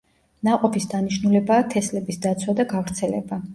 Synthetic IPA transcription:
naqʼɔpʰisd̪aniʃnulɛbaːt̪ʰɛslɛbisd̪at̪sʰwad̪aɡavɾt̪sʰɛlɛba

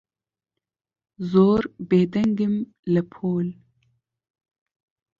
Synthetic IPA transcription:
zoɾbed̪ɐŋɡim | lapʰoːl

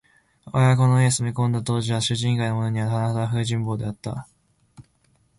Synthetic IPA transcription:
a̰ako̞noies̬ɨmʲikõ̞nd̪at̪o̞ːʑiβaɕɨʑĩŋkaino̞mono̞ɲ̟iβat̪anahaaɸɯ̟ːʑĩmboːd̪e̞at̪ːa̰

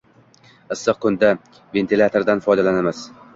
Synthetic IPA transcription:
ɨsːɨq̚kʰʊnd̪a | ve̞nt̪ʰilʲˠat̪ʰoɾd̪anfɒjd̪alanamɪz

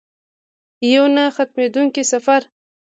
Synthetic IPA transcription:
jawnaxat̪̚med̪uŋkisafaɾ

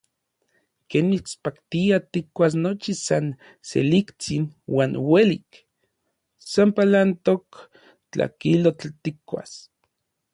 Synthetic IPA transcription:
keːnmit͡spakt̪iat̪ikːʷas̬not͡ʃisan | sḛlikt͡sinwaːnwelik | sampalant̪ok | t͡ɬa̰kilot͡ɬt̪ikʷːa̰s

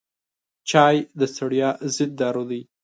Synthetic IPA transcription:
t͡ʃɑjd̪əsaɽjɑzɪd̪̚ːɑɾod̪əj

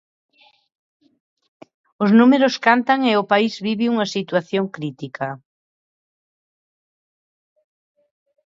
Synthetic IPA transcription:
ʊznumeɾʊskant̪aŋeʊpaizβiβɪuŋɐsit̪waθjoŋkɾit̪ikʰɐ

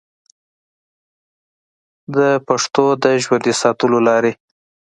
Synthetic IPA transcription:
d̪əpaʂt̪od̪əʒwand̪esɑt̪əlolɑɾe

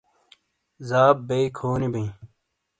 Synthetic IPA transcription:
zaːbːeːkʰoːnibɐĩ

